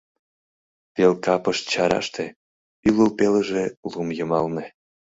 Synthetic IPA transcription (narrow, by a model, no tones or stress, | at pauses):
t̪elkɑpəʃt͡ɕɑɾɑ̰ʃt̪e | yləlpeləʒelumjəmɑlne